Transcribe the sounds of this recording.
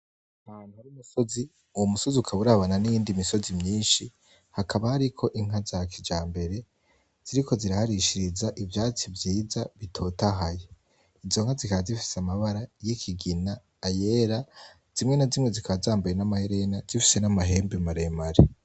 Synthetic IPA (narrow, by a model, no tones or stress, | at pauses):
ahaːn̥uhaɾiumuso̞zi | uwomuso̞ziukʰaβuɾaβananijiːndimiso̞zimɲiːnʃi | hakʰaβahaɾikʰo̞ʔiŋ̥ɦazakʰid͡ʒaːmbe̞ɾe̞ | z̥iɾikʰo̞ziɾahaɾiʃiɾizaʔivjaːt͡sivjiːzaβitʰo̞taɦaje | izo̞ŋ̥hazikaazifi̥seamaβaɾajikʰiɡinaː | je̞ːɾa | z̥imŋe̞nazimŋezikʰaβazaːmbajenamaheɾenazifi̥se̞namaɦe̞ːmbimaɾe̞maɾe